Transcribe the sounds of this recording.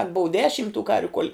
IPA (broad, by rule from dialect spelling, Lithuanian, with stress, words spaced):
ɐlʲ boːʊ ˈdʲæːʃʲɪm tuː ˈkɐrʲʋʲʊ koːlʲ